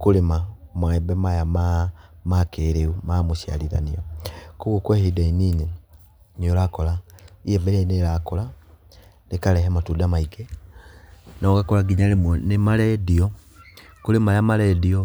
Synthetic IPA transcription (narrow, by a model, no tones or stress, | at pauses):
kulemamwaɛbɛmajamamakeɾeumamoʃia̰liɾa̰niɔkuɣukwehedainiːne | niolakɔlaieveɾenelakola | lekalɛɦɛmatudamaiɡe | nɔkakɔlaɡiɲalemwɔnemalɛdiɔ | kulemajamalɛdiɔ